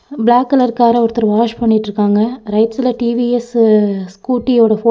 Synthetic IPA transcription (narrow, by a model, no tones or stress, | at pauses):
bɪlaːkːɐlɐɾkaːɾɐɔɾɯt̪ːɐɾʋaːʃpɐɳːɪʈːɾɯkːaːŋɡɐɾɐɪʈsɪlɐʈiʋiɛsskuːʈːijoːɽɐfoː